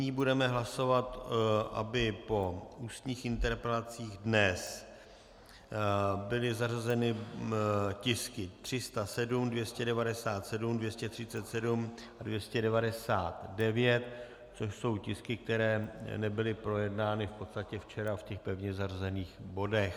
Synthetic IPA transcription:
ɲiːbudɛmɛɦlaso̞vat̪ʔa̰bɪpo̞uːst̪ɲiːxɪnt̪ɛɾpɛlat͡siːɣdnɛs | bɪlɪzarazɛnɪ | cɪskɪt̪r̝̥ɪst̪asɛdumdvjɛscɛdɛvadɛsaːt̪sɛdumdvjɛscɛt̪r̥ɪtt͡sɛt̪sɛdumʔadvjɛscɛdɛvadɛsaːt̪dɛvjɛt̪ | t͡so̞ʃso̞wcɪskɪk̚t̪ɛɾɛːnɛbɪlɪpɾo̞jɛdnaːnɪfpo̞t̪st̪acɛft͡ʃɛɾafcɛxpɛvɲɛzarazɛniːxbo̞dɛx

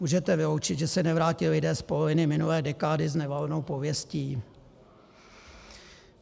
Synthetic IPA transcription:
muːʒɛt̪ɛvɪlowt͡ʃɪd̪ʒɛsɛnɛvɾaːcɪlɪdɛːspolovɪnɪmɪnulɛːdɛkaːdɪznɛvalno̞wpo̞vjɛsciː

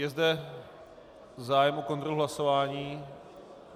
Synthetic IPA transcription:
jɛzd̪ɛ | zaːjɛmʔoko̞nt̪ɾoluɦlaso̞vaːɲiː

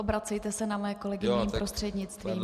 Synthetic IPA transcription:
obɾat͡sɛjt̪ɛsɛnamojɛko̞lɛɡɪɲɲiːmpɾost̪r̥ɛdɲɪt͡st̪viːm

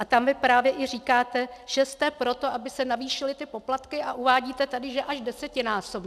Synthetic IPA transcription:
ʔat̪amvɪpɾaːvjɛʔɪr̝iːkaːt̪ɛʒ̥ɛst̪ɛpɾo̞t̪o̞ʔabɪsɛnaviːʃɪlɪt̪ɪpo̞plat̪kɪʔaʔuvaːɟiːt̪ɛt̪adɪʒɛʔaʒdɛsɛcɪnaːsob

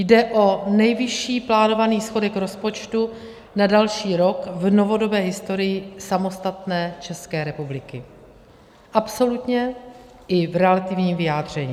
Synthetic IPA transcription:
jdɛʔo̞nɛjvɪʃiːplaːno̞vaniːsxo̞dɛkɾo̞spo̞t͡ʃt̪u | nadalʃiːɾo̞kvno̞vo̞do̞bɛːɦɪst̪o̞ɾɪjɪsamo̞st̪at̪nɛːt͡ʃɛskɛːɾɛpublɪkɪ | ʔapso̞lut̪ɲɛ | ʔɪvɾɛlat̪ɪvɲiːmvɪjaːdr̝̥ɛɲiː

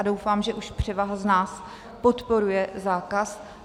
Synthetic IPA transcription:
adowfaːmʒɛʔuʃpr̝̥ɛvaɦaznaːs | po̞t̪po̞ɾujɛzaːkas

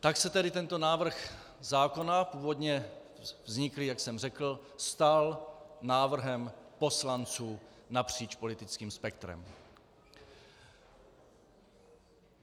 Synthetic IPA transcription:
t̪aksɛt̪ɛdɪt̪ɛnt̪o̞naːvr̩x | zaːko̞napuːvo̞d̪ɲɛ | vzɲɪklɪjaksɛmrɛkl̩st̪alnaːvr̩ɦɛmpo̞slant͡suːnapr̝̥iːt͡ʃpo̞lɪt̪ɪt͡skiːmspɛkt̪ɾɛ̰m

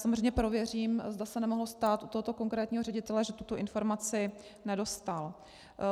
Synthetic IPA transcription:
samozreɛjɲɛpɾo̞vjɛr̝iːmzdasɛnɛmo̞ɦlost̪aːt̪ʔut̪oɦot̪o̞ko̞ŋkɾɛːt̪ɲiːɦo̞rɛɟɪt̪ɛlɛʒɛt̪ut̪o̞ʔɪnfo̞ɾmat͡sɪ | nɛdo̞st̪al

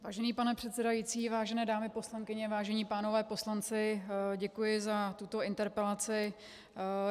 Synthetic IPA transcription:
vaːʒɛniːpanɛpr̝̥ɛt̪sɛdajiːt͡siːvaːʒɛnɛːdaːmɪpo̞slaŋkɪɲɛvaːʒɛɲiːpaːno̞vɛːpo̞slant͡sɪɟɛkujɪzat̪ut̪o̞ɪnt̪ɛɾpɛlat͡sɪ

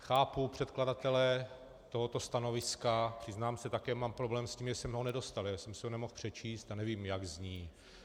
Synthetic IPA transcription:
xaːpupr̝̥ɛt̪kladat̪ɛlɛ | t̪o̞ɦot̪o̞st̪ano̞vɪskapr̥ɪznaːmsɛt̪akɛːmaːmpɾo̞blɛːmsciːmʒɛsɛmɦo̞nɛdo̞st̪aljasɛmsɪɦonɛmo̞xpr̝̥ɛt͡ʃiːst̪anɛviːmjaɡzɲiː

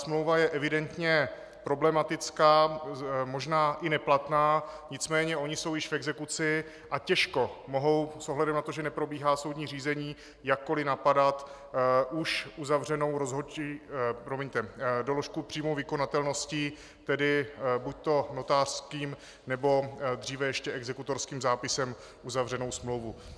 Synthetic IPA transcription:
smlowvajɛʔɛvɪdɛnt̪ɲɛ | pɾo̞blɛmat̪ɪt͡skaːmo̞ʒnaːʔɪnɛplat̪naːɲɪt͡smɛːɲɛʔo̞ɲɪso̞wjɪʃfɛɡzɛkut͡sɪ | ʔacɛʃko̞mo̞ɦo̞wsʔoɦlaɛdɛmnat̪oʒɛnɛpɾo̞biːɦaːso̞wdɲiːr̝iːzɛɲiː | jakːo̞lɪnapadat̪ | ʔuʃʔuzavrɛno̞wɾo̞zɦot͡ʃipɾomɛɲt̪ɛdolo̞ʃkupr̥iːmowvɪko̞nat̪ɛlno̞sci | t̪ɛdɪbuc̚t̪o̞no̞t̪aːr̥skiːm | nɛbo̞d̪r̝iːvɛjɛʃcɛɛɡzɛkut̪o̞ɾskiːmzaːpɪsɛm | ʔuzavr̝ɛno̞wsmlowvu

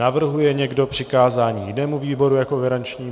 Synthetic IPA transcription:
avr̩ɦujɛɲɛɡdo̞pr̝̥ɪkaːzaːɲiːjɪnɛːmuviːbo̞ɾujako̞ɡaɾant͡ʃɲiː

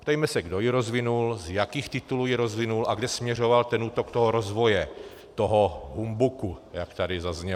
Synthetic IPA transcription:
pt̪ɛjmɛsɛɡdo̞jiɾo̞zvɪnulzjakiːxt̪ɪt̪uluːjiɾozvɪnulaɡdɛsmɲɛr̝o̞valt̪ɛnuːt̪okt̪oɦoɾozvo̞jɛ | t̪oɦoɦumbukujakt̪adɪzazɲɛ

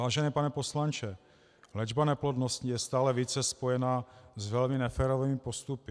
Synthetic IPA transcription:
aːʒɛnɛːpanɛpo̞slant͡ʃɛ | lɛd͡ʒbanɛplodnoscijɛst̪aːlɛviːt͡sɛspo̞jɛnazvɛlmɪnɛfɛːɾoviːmɪpo̞st̪upɪ

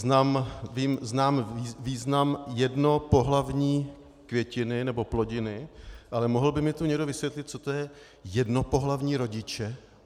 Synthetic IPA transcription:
znamviːmznaːmviːznamjɛdno̞po̞ɦlavɲiː | kvjɛcɪnɪnɛbo̞plo̞ɟɪnɪʔalɛmoɦl̩bɪmɪt̪uɲɛɡdo̞vɪsvjɛt̪lɪt̪̚t͡sot̪ojɛ | jɛdno̞po̞ɦlavɲiːɾo̞ɟɪt͡ʃɛ

